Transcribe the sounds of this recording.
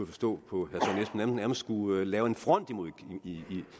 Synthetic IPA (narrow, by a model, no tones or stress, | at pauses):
ufɒ̽sd̥ɔ̰̽ːpʰɒ̽hæsɒ̽nesnæɐn̩næɐməssɡ̥ulɛːʊe̝nfʁɒ̽n̰d̥imuiɡ̥ii